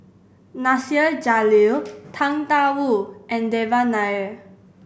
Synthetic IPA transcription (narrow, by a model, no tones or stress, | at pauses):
nasiəd͡ʒalilt̪ʰãŋt̪awuʔɛ̃ndɛvanajə